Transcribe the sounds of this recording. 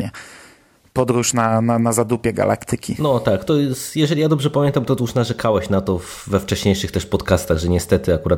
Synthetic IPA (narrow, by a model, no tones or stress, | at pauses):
ɛ | pɔd̪ɾuʂnananazad̪upʲjɛɡa̰lʔa̰kt̪ɘkʲʰinɔt̪akt̪ɔjɛst̪jɛʐɛlʲijad̪ɔbʐɛpamʲjɛnt̪amt̪ɔt̪uʂnaʐɛkʰawɛɕnat̪ɔvːɛft͡ʂɛɕɲejʂɘxt̪ɛʂpɔt̪kast̪aɣʐɛɲɛst̪ɛt̪ɘakuɾat̪